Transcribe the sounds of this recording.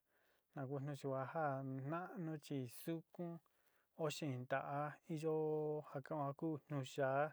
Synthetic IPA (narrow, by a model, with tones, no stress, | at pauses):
nã˨k̬u˦˧n̥ũ˧t͡ʃi˧kʷa˧ha˦nã˦ʔnũ˦t͡ʃi˧su˦kũ˦ | o˦ʃĩ˦˨˧nd̪a˨ʔa˧i˦ʒo˦ha˧kã˦õ˧ha˧kuː˦n̥nũ˧ʃaː˨˦